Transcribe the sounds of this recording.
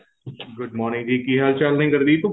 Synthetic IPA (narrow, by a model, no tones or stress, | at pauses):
ɡʊɖmɔːɾnɪ̃ŋɡd͡ʒiːkiɦaːlt͡ʃalnəɦĩkɐɾd̪iːt̪oː